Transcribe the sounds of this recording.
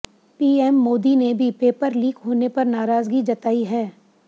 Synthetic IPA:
piːɛːmːoːd̪inebʱipeːpəɾliːkɦoːnepɐɾnaːɾaːzɡid͡ʒɐt̪aːiɦɛː

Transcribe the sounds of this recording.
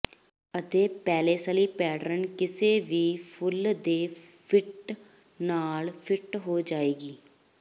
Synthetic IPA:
ət̪eːpɛːleːsaːliːpɛːɽɾənkɪseːʋiːpʰʊld̪eːpʰɪʈ | naːlpʰɪʈɦoːd͡ʒaːeːɡiː

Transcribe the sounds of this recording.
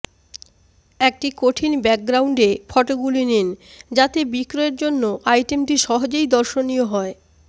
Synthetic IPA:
ek̚ʈikoʈʰinbɛk̚ɡɾawɳɖefʰɔʈoɡulinend͡ʑat̪ebikɾoeɾd͡ʑonːoʔajʈemʈiʃɔɦod͡ʑejd̪ɔɾʃonijoɦɔe

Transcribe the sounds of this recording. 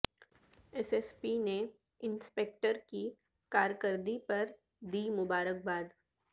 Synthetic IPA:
ɛsɛspine | ɪnspeːk̚ʈəɾki | kaːɾjəkəɾd̪ipɐɾ | d̪iːmʊbaːɾək̚baːd̪

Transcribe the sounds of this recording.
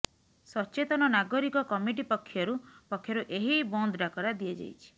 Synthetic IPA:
sɔt͡ʃet̪ɔnɔnaɡɔɾikɔkɔmiʈ̬ipɔkʰːjɔɾupɔkʰːjɔɾuʔeɦibɔnd̪ɾakɔɾad̪iad͡ʒa̰jt͡ʃʰi̥

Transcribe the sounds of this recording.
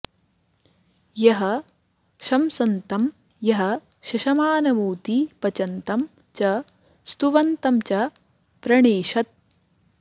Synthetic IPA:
jɐɦɐ | ʃɐmsɐnt̪ɐm | jɐɦɐ | ʃɐʃɐmaːnɐmuːt̪ipɐt͡ʃɐnt̪ɐm | t͡ʃɐ | st̪uʋɐnt̪ɐmt͡ʃɐ | pɾɐɳeːʃɐt̪̚

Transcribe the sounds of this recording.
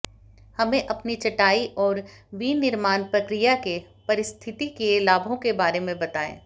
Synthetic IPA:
hɐmẽʔɐpnit͡ʃɐʈaːiʔɔːɾʋinɪɾmaːnpɾɐkɾijake | pɐɾɪst̪ʰɪt̪ikelaːbʱõkebaːɾemẽbɐt̪aːḛ̃ː

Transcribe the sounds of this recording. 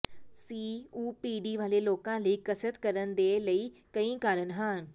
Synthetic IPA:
siːuːpiɖiːʋaːleloːkãliːkəsət̪kɐɾənd̪eːləikɐ̃ĩːkaːɾənɦaːn

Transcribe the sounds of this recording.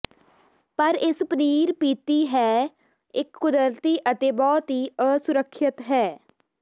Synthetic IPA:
pəɾɪspəniːɾpiːt̪iːɦɛː | ɪkːʊd̪əlt̪iːʔət̪eːbɔːt̪ɦiːəːsʊɾəkʰʃɪt̪ɦɛː

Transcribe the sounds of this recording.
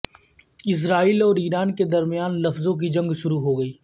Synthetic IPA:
ɪs̬ɾaːiːlɔːɾiːɾaːnked̪ɐɾmɪjaːnlɐfzõk̬id͡ʒɐ̃ŋɡʃʊɾuɦoɡɐiː

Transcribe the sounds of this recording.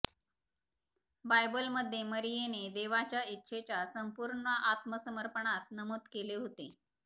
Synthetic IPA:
bajbəlməd̪ʱːjeməɾijened̪eʋat͡ɕjaitːɕʰet͡ɕjasəmpuɾɳəʔat̪məsəməɾpəɳat̪̚nəmoːd̪keleɦot̪e

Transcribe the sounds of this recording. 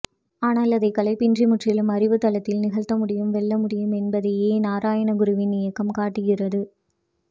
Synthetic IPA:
aːnaːlɐðɐɪkɐlɐɪpːɪndrimʊʈrɪlɯmɐɾɪʋɯt̪ɐlɐt̪ːɪlnɪɣɐɭt̪ːɐmʊɽɪjɯmʋɛɭːɐmʊɽɪjɯmɛnbɐðɐjeːnaːɾaːjɐɳɐɡʊɾɯʋɪnːɪjɐkːɐmkaːʈːɯɣɪrɐðɯ

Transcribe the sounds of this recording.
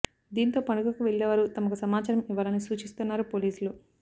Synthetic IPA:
d̪iːnt̪o̞ːpɐɳukɐkuʋeɭːeːʋaːɾut̪ɐmɐkusɐmaːt͡ʃɐɾɐmiʋɐlɐnisuːt͡ʃist̪unːaːɾupo̞ːliːsulu

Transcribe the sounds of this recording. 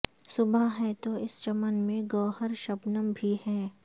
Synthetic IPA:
sʊbaɦɛt̪oɪst͡ʃɐmənmẽɡɔːɦəɾʃɐbnəmbʱihɛː

